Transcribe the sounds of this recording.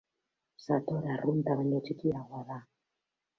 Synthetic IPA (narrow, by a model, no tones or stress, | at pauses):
sat̪ɔɾarunt̪aβaɲɔtʰikijawaβa